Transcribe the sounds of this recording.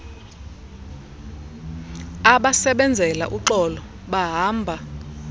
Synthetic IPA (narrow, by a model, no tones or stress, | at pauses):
aɓasɛɓɛnd͡zʱɛla̰ʔuǃɔlɔ | ɓaɦaːmbʱa